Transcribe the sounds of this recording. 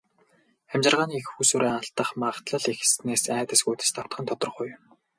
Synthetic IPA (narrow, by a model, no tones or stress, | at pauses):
æmt͡ɕɪ̆rʁaːniexxuːsuːɾæːaɬt̪ə̆χmaʁt̪ɮə̆ɮixsneːsæːt̪ə̆sɡujt̪ɘ̥̆st̪ʰḁt̪χə̆nt̪ʰɔt̪ɞ̆rχʊjm